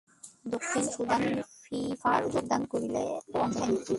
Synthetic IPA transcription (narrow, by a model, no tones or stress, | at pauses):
d̪okʰːinʃud̪ʱanfifaɾud͡ʒoɡ̚d̪ankoɾilḛɔŋkanii